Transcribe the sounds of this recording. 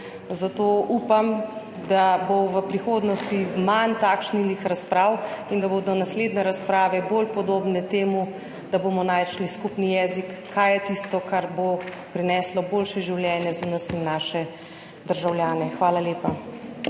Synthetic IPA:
zat̪oːʔuːpam | d̪aboʋəpɾixoːd̪nɔst̪imant̪aːkʃnilixɾaspɾawind̪abod̪ɔnasleːd̪nɛɾaspɾaːʋɛbolpɔd̪oːbnɛt̪eːmu | d̪̥abomɔnaːjʃliskupnijɛːzikːajɛt̪ist̪ɔkaɾbo | pɾinɛːslɔboːlʃɛʒiwljɛːnjɛzanɐsinːaːʃɛ | d̪əɾʒawljaːnɛxʋaːlaleːpa

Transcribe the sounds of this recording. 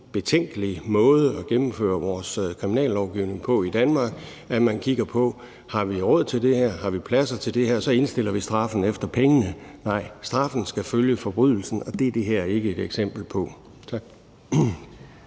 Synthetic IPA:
b̥e̝t͡sʰeŋ̰ɡ̥əlimɔ̽ːð̞ˠəɒ̽ɡ̥emm̩fø̰ːɐʋɒːskʰʁiminɛ̰ːlːɒʊɡ̥iʊne̝ŋpʰɒ̽id̥ænmɑ̈ːɡ̥ | æmænkʰiɡ̥ɐpʰɒ̽ | hɑ̈ʋiʁɔ̽ð̰ˠt͡sʰe̝ld̥e̝hæɐ̰ɦɑ̈ʋipʰlæsɐt͡sʰe̝ld̥e̝hæɐ̰sɒ̽e̝nsd̥e̝l̰ɐʋisd̥ʁɑ̈fn̩efd̥ɐpʰeŋənənɑ̈ɪ̰sd̥ʁɑ̈fn̩sɡ̥æføljəfɒ̽b̥ʁyðˠl̩sn̩ɒ̽d̥e̝æɐd̥e̝ɦæɐ̰æɐe̝ɡ̥əe̝d̥eɡ̥sem̰b̥l̩pʰɒ̥̽

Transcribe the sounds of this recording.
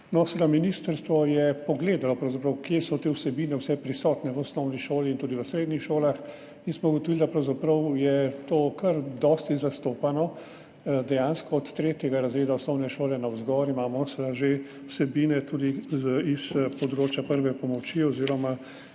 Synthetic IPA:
nɔsɛlaminist̪əɾst̪ʋɔjɛpɔɡleːd̪alɔpɾɐwzapɾɐwkjesɔt̪eːwsɛbiːnɛwsɛpɾisɔːt̪nɛʋəɔsnɔwniʃoːliːnt̪uːd̪iʋəsɾeːd̪nixʃoːlax | insmɔuɡɔt̪ɔʋild̪apɾɐwzapɾɐwjɛt̪oːkəɾd̪ɔːst̪izast̪oːpanɔ | d̪ɛjãnskɔːt̪ːɾeːt̪jɛɡaɾazɾeːd̪aɔsnɔwnɛʃoːlɛnawzɡɔɾimaːmɔsɛlaʒe | wsɛbinɛt̪uːd̪iispɔd̪ɾoːt͡ʃjapəɾʋɛpɔmɔt͡ʃiɔziːɾɔma

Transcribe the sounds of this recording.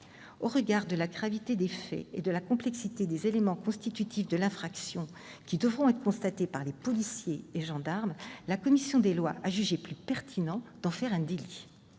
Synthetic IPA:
oʁəɡaʁd̪əlaɡʁavit̪ed̪efɛ̰ḛd̪əlakɔ̃plɛksit̪ed̪ezelemɑ̃kɔ̃st̪it̪yt̪ʰifd̪əlɛ̃fχaksjɔ̃ | kʲid̪əvʁɔ̃ɛt̪χəkɔ̃st̪at̪epaʁlepɔlisjeːʒɑ̃d̪aʁmlakɔmisjɔ̃d̪elwa̰ʔaʒyʒeplypɛʁt̪ʰinɑ̃d̪̥ɑ̃fɛʁɛ̃d̪eli

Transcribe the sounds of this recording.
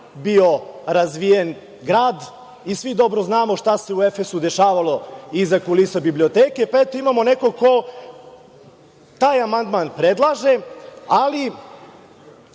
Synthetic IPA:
bio̞ɾazʋijen | ɡɾaːd̪ | isʋid̪o̞bɾoznaːmoʃt̪ase̞uefesud̪e̞ʃaːʋalo̞izakulisabiblio̞t̪eːke̞paet̪oimamo̞ne̞ko̞ko̞ | t̪aːjamand̪maːnpɾed̪lˠaʒeali

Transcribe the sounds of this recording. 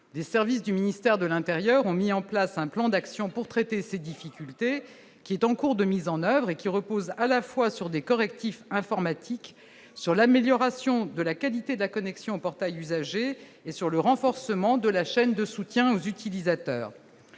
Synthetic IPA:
lesɛʁvis̬d̪yminist̪ɛʁd̪əlɛ̃t̪eʁjœʁɔ̃miɑ̃plasɛ̃plɑ̃d̪aksjɔ̃puʁt̪χɛt̪esed̪ifikʲylt̪e | kʲiɛt̪ɑ̃kuʁd̪əmizɑ̃nœvʁekʲiʁəpozalafwasyʁd̪ekɔʁɛk̚t̪ifɛ̃fɔʁmat̪ʰik | syʁlameljɔʁasjɔ̃d̪əlakalit̪ed̪əlakɔnɛksjɔ̃opɔʁt̪ajyzaʒeː | syʁləʁɑ̃fɔʁsəmɑ̃d̪əlaʃɛnd̪əsut̪jɛ̃ozyt̪ilizat̪œ̰ːʁ

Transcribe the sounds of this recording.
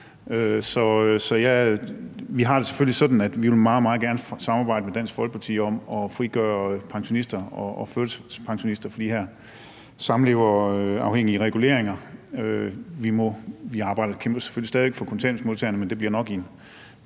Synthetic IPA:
øsɒ̽øsɒ̽jæ | ʋiɦɑ̈d̥e̝se̥følisɒ̽d̥n̩æd̥ʋiʋe̝lmɑ̈ːð̩ˠmɑ̈ːð̩ˠɡ̥æɐnəsɑ̈mɑ̈ːbɑ̈ɪ̰d̥əmed̥æn̰sɡ̥fɒ̽lɡ̥ə̥pʰɑ̈t͡sʰḭːɒ̽mɒ̽fʁiɡ̥œːɐpʰɑ̈ŋɕo̝nisd̥ɐɒːfølsspʰɑ̈ŋɕo̝nisd̥ɐfɒd̥ḭːhæɐ̰ | sɑ̈mn̩e̝ʊɐøɑ̈ʊheŋ̰iəʁɛɡ̥ule̝̰ɐ̰eŋɐøʋimɔʋiɑ̈ːb̥ɑ̈ɪ̰dɐkʰemb̥ɐse̥følisdɛːðˠiʋeɡ̥fɒ̽kʰo̽nt͡sʰɛɐnsmo̝ðˠt͡sʰɛɐnəmend̥e̝b̥liɐ̰nɒ̽ɡ̥in

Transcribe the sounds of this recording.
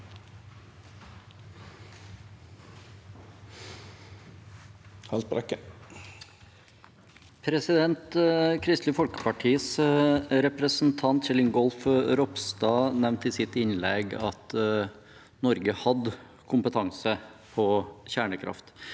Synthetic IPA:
hɑlspɾɑkə | pʰɾɛsɪd̪ɛnt̪kʰɾɪst̪ləfɔlkə̥pɑʈʰiːəsɾɛpɾəsn̩t̪ʰɑnt̪ʃɛlɪŋɡɔlfɾɔpst̪ɑːnɛʋnt̪iːsɪt̪ɪnlɛɡɑt̪ | nɔɾɡəhɑd̪ | kʰʊmpət̪ʰɑŋsə | pʰɔçæːɳəkʰɾʔɑ̰ft̪

